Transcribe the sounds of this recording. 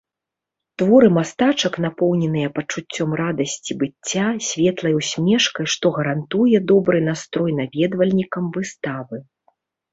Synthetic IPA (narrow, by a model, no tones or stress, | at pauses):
t̪vɔɾɨmast̪at͡ʂɐknapɔwnʲɛnɨjɐpɐt͡ʂut͡sʲːɔmrad̪ɐsʲt͡sʲibɨt͡sʲːasʲvʲɛt̪lˠɐjwsʲmʲɛʂkɐjʂt̪ɔɣɐɾant̪ujɛd̪ɔbɾɨnast̪ɾɔjnavʲɛd̪vɐlʲnʲikɐmvɨst̪avɨ